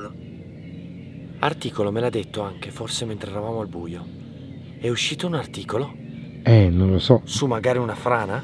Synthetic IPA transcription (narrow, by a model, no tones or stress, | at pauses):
art̪iːkolomelad̪ːet̪ːoaŋk̟eforsement̪ɾeɛɾavaːmoalbuːjo | ɛuʃːiːt̪ounart̪iːkolo | ɛnonlosɔsumːaɡaːɾiunafɾaːna